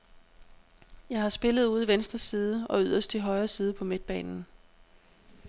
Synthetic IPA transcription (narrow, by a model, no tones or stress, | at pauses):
jɑ̈ɪɦɑ̈sb̥e̝lð̞̩ˠuːð̞ˠʋensd̥ʁɐsiːðˠəɒ̽yð̞̰ˠɐsd̥ʰiɦɒ̽ɪɐsiːð̞ˠəpʰɒ̽med̥̚b̥ɛ̰ːnn̩